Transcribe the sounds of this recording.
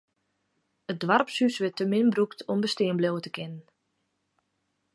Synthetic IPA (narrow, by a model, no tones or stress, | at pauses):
ət̚dʋarpsysʋɪtəmɪnbruktʰɔmbəstɪənblowətəkʰɪnən